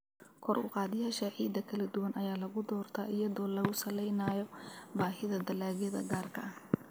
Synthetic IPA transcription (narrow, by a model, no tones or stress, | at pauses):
kʰɔrʊ̰qɑːðɪjaːʃɐʕiːd̪ɐkʰɐlɐd̪ʊwɐnʔɐjaːlɐɣʊd̪ɔːrt̪ʰa̰ːʔɪjɐðɔːlɐɣʊsɐlɛjnaːjɔbaːɦɪðɐd̪ɐlaːɣjɐðɐ̰ɡaːrkʰɐ̰ɐh